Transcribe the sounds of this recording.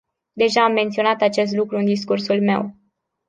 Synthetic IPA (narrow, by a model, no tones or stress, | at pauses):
d̪e̞ʒaːmːe̞nt̪sio̞nat̪at͡ʃe̞st̪lukɾuɨnd̪iskursulme̞w